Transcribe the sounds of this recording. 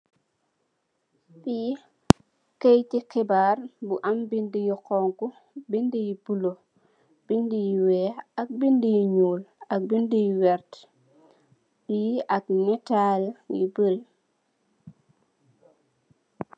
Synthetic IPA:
biji | kejtikɛbaːrbuʔambindijiqɔːŋku | bindijibulo | b̥indijiwɛak̚bindijiɲuːlɐk̚bindijiwɛɾt | bijiʔak̚nɛtaljḭbəɾi

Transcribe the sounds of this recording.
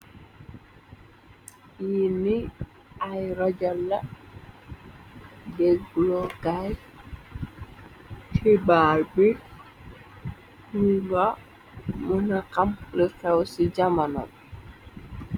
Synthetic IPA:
jini | ʔajɾad͡ʒalːa | dɛɡlɔɡaj | tʰibalbi | huɡa | munakamlɔkawsid͡ʒamanɔ̰l

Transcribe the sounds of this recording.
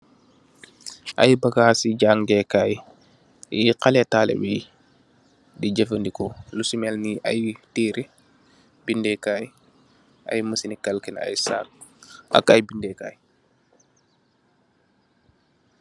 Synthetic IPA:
ʔa̰jbɐɡaːsiɟaːŋɡɛkaːj | iqalɛtaːlɛ̰bej | diɟəfəndikɔlusumɛlniʔajtiːɾi | b̥indɛkaj | a̰jməsinikalkina̰jsa̰ːk̚ | a̰kajbindɛka̰ːj

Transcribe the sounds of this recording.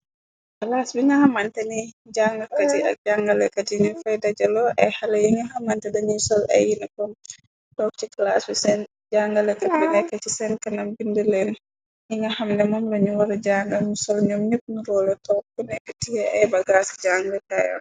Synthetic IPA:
kɐlasbiŋɡɐhɐmantɛnid͡ʒaŋɡɐkɐtiɐ̰k̚d͡ʒaŋɡɐlɛkɐtinifɐjdɐd͡ʒɐlɔʔɐjhɐlɛjiŋɡɐhɐmantɛdɐɲusɔlɐ̰jːinɛkɔm | dɔk̚t͡ʃikɐlasbisɛn | d͡ʒaŋɡɐlɛkɐbinɛkɐt͡ʃisɛnkɐnɐmbindəlɛn | jiŋɡɐhɐmnɛmɔmlɐɲuwɐɾɟaŋɡɐlɲusɔlɲɔːmɲəp̚nuɾɔːlɔtɔk̚ːunɛkɐtijɛʔɐjbɐɡasd͡ʒaŋɡlɛtajɔ̰n

